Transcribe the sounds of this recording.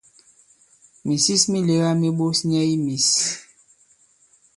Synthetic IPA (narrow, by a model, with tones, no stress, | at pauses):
mi˨si˦smi˦le˨˦ɣa˦mi˦ɓo˦sɲɛ˦i˦mi˨s